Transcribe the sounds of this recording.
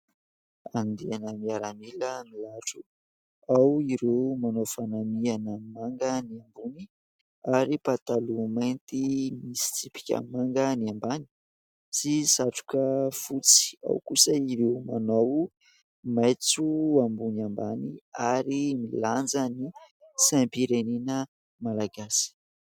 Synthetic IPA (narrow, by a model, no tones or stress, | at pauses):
and̪eanəmiaɾamiləmilaʈ͡ʂu | awiɾemanofanamianamaŋɡəniambuni | aɾipat̪alumajnt̪imisi̥t͡sipi̥kʲa̰maŋɡəniambani̥ | sisaʈ͡ʂu̥kəfut͡si̥a̰wkusəiɾewmanow | majt͡suambunambaniaɾimiland͡zəni | sampiɾeninə | malaɡasi̥